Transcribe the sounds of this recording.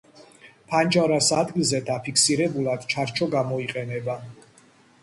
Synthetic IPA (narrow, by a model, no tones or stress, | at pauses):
pʰand͡ʒaɾasad̪ɡilˠzɛd̪apʰikʰsiɾɛbulˠad̪̥t͡ʃʰaɾt͡ʃʰɔɡamɔiqʼɛnɛba